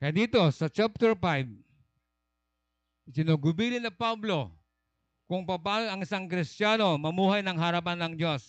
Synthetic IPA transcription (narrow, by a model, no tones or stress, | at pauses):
kɐjad̪iːt̪o̞sɐt͡ʃap̚t̪ɛɹpajb̚ | sɪnoɡʊbiːlɪnɐpablo̞ | kʊŋpɐpaːnoɐŋɪsaŋkɾɪst̪jaːno̞mɐmuːɦajnɐŋɦɐɾap̬anːɐŋd͡ʒos